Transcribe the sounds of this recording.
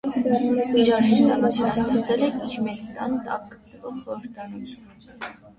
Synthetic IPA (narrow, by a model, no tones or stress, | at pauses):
iɾɑɾɦɛst̪ɑkɑt̪ʰinɑst̪ɛɾt͡sɛlɛkʰiɾmɛkt̪ɑ̰nt̪ɑ̰k̚ːə̥t̪nəvɔχχɔɾəɾd̪ɑɾum